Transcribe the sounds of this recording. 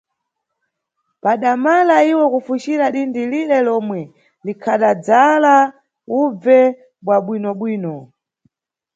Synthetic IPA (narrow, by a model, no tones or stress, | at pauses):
paɗamalaiwɔkufut͡ʃiɾaɗindiliɾɛlɔmwɛ | likʰaɗad͡zala | ub͡vɛ | ɓwaɓwinɔɓwiːnɔ